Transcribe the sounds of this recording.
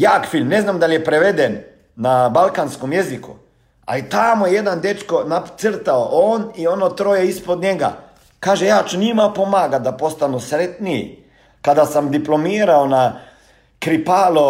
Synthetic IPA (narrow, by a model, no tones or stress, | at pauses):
jaːkfilmnɛznamd̪aljɛpɾɛʋed̪ɛnː | abalkanskomjɛzikṵ | a̰lit̪amujɛjed̪and̪et͡ʃkonat̪səɾt̪aoʔoːnionot̪ɾoːjɛispɔd̪ɲɛɡa̰ | kaːʒɛjat͡ʃnimapomaːɡat̪̚d̪apost̪anusɾɛt̪niḭ | kad̪asamd̪iplomiːɾaona | kɾipaːlo